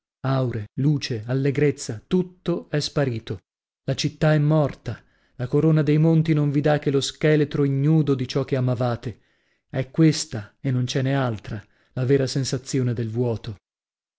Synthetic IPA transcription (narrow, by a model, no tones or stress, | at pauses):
awɾeluːt͡ʃealːeɡɾet̪sːat̪ut̪ːoɛspaɾiːt̪o | lat͡ʃit̪ːaɛmːɔrt̪a | lakoɾoːnad̪ejmont̪inoɱvid̪ak̟ːeloskɛlet̪ɾoiɲːuːd̪od̪it͡ʃɔk̟ːeamavaːt̪e | ɛkːwest̪aenːont͡ʃɛnːealt̪ɾa | lavɛːɾasensat̪sːjoːned̪elvwɔːt̪o